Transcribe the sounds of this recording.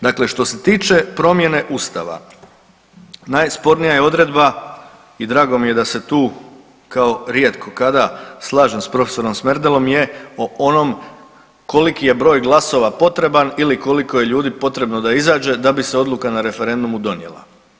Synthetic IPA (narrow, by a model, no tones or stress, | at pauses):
d̪aːkle̞ʃt̪o̞se̞t̪iːt͡ʃe̞pɾo̞mje̞ne̞ʔust̪a̰ʋa̰ | najspo̞ɾnijajeo̞d̪ɾe̞d̪ba | id̪ɾaːɡo̞mije̞d̪ase̞t̪uː | kao̞ɾje̞t̪kʰo̞kad̪aslˠaːʒe̞mspɾo̞feso̞ɾo̞msmeɾd̪elo̞mje̞oono̞m | ko̞likije̞bɾo̞ːjɡlˠaso̞ʋapo̞t̪ɾe̞baniliko̞liko̞je̞ʎuːd̪ipo̞t̪ɾe̞bno̞d̪aizaːd͡ʒe̞d̪abise̞o̞d̪lˠukanaɾe̞fe̞ɾe̞nd̪umud̪o̞nje̞̰lˠa̰